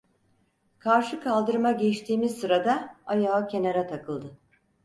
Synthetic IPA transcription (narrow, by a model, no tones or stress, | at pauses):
kʰaɾʃɯkʰalˠd̪ɯɾmaɟɛt͡ʃt̪ʰiːmizsɯɾad̪aajaːcʰe̞naɾat̪ʰakʰɯlˠd̪ɯ